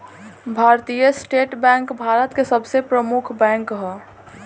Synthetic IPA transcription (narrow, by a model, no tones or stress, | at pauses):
bʱaɾt̪ijəsʈeːʈbɛ̃ŋkbʱaɾət̪kesəbsepɾəmukʰbɛ̃ŋkɦɛ